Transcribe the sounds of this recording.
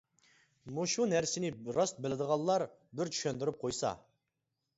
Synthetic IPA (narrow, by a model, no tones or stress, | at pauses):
muʃunæɾsɪnɪɾɑst̪̚bɪlɪd̪əʁɑlˠːɑɾ | bɪɾt͡ʃʰy̥ʃønd̪yɾyp̚qʰojsɑ̰